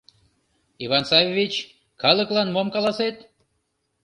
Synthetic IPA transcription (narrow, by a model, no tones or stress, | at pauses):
iβɑnsɑvʲevʲit͡ɕ | kɑlˠəklˠɑnmomkɑlɑset̪